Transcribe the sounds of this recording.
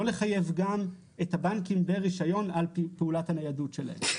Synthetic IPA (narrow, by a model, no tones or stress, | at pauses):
o̞leχaje̞vɡam | ethabankimbeʁiʃajo̞nalpeulathanajadutʃe̞la̰hḛm